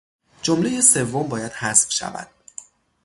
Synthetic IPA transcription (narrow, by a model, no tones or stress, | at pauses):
d͡ʒomlejese̞vːombɒːjæd̪̥hæsb̥ʃæ̰væ̰d̪̥̚